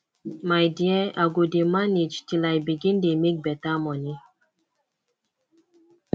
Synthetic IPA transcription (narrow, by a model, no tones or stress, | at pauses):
majdiɛaɡodemanit͡ʃtilajbiɡindemik̚bɛtamɔni